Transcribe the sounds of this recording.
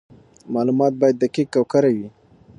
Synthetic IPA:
mɑlumɑt̪̚bɑjad̪ːakikkːawkaɾawi

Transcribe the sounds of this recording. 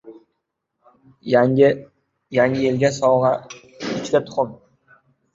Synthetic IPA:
jaŋɪelɡʲasɒwʁɑ | ɪt͡ʃd̪at̪ʰʊ̥χʊm

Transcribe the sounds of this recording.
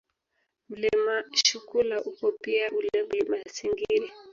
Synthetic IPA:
m̩limaʃukulaʔukɔpiaʔulɛmlimasiŋɡiɾi

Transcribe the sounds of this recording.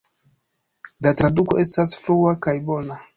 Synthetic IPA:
latɾaduko̞ʔe̞s̬tasfluakajbo̞na

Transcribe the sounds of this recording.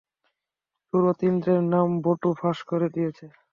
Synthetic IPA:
ʃuɾot̪ind̪ɾeɾnamboʈufʰaʃkoɾed̪ijet͡ɕʰe

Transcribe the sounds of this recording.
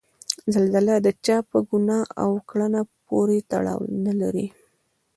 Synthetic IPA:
zalzalad̪ət͡ʃɑpəɡunɑa̰wkɭanapoɾet̪a̰ɽɑ̰wnalaɾi

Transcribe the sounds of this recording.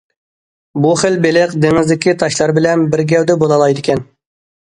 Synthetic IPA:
buχɪlbelɪqd̪eŋɪzd̪ɪkʲit̪ʰɑʃlˠɑɾbɪlɛnbɪɾɡʲɛwd̪ɛbolˠɑlˠɑjd̪ɪkʲʰɛn

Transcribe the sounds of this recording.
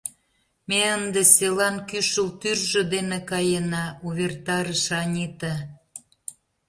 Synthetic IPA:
meənd̪eselɑnkyʃəlt̪yrʒɤ̆d̪enekɑjənɑuβʲert̪ɑɾəʃɑnʲit̪ɑ

